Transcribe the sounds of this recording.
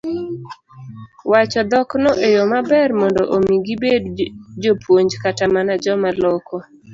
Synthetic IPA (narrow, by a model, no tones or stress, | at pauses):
wat͡ʃɔd̪ɔknoʔejomabɛrmɔndɔʔomiɡibedd͡ʒopwoɲd͡ʒkatamanad͡ʒɔmalɔkɔ